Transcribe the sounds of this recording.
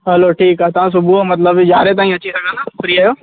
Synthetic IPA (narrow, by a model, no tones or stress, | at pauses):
ɦɐloʈʰiːkaːɦet̪ɐʋ̤ãs̬ʊbumɐt̪̬ləbd͡ʑaːɾet̪aːĩɐt͡ɕisɐɡʱə̃nd̪afɾiːaːjoː